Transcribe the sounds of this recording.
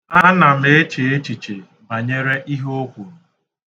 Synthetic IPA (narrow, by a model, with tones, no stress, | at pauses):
a˦na˨me˦e˦t͡ʃe˨e˦t͡ʃi˨t͡ʃe˨ | ba˨ɲe˦ɾe˦ʔi˦ɦo˦kʷu˨ɾu˨